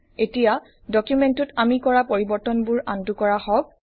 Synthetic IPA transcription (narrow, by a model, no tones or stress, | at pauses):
etija | dɔkjumɛntʊtamikɔɹapoɹibɔɹtɔnbʊɹantukɔɹahɔb̚